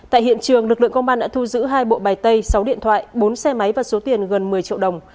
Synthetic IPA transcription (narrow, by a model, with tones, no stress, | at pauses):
ta̰ː˧˨jɦḭ˧˨ənt͡ɕɨ˨˩əŋlɨ˨˩k̚lɨ̰˧˨ə˨ŋkə˧ŋ͡mɓaː˧nɗa̰ː˧˥t̪ʰu˧zɨ̰˧˥ɦaː˧jɓo̰˧˨ɓaː˨˩jt̪ə˧jsa˨˦wɗḭ˧ənt̪ʰwa̰ː˧˨jɓo˨˦nsɛ˧ma˨˦jvaː˨˩wso˨˦t̪i˨˩ənɣə˨˩nmɨ˨˩əjt͡ɕḭ˧əwɗə˨˩wŋ͡m